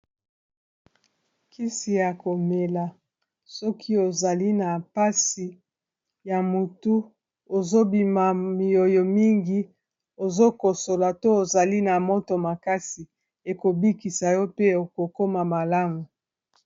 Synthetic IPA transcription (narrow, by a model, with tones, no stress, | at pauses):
kʰi˦si˨ja˨ko˨me˨la˨ | sɔ˦kʰi˦o˨za˨li˦na˨pa˦si˨ | ja˨mu˨tu˦ | o˨zo˦bi˨ma˨mi˨o˨jo˨mi˦ŋɡi˦ | o˨zo˦ko˨so˨la˨to˦o˨za˨li˦na˨mo˦to˨ma˨ka˦si˨ | e˨ko˨bi˦ki˨sa˨jɔ˦pe˦o˨ko˨ko˦ma˨ma˨la˦ŋɡo˨